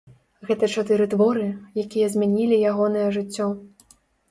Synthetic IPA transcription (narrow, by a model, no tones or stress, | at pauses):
ɣɛt̪ɐt͡ʂat̪ɨɾɨt̪vɔɾɨjakʲijɐzʲmʲanʲilʲijaɣɔnɐjɐʐɨt͡sʲːɔ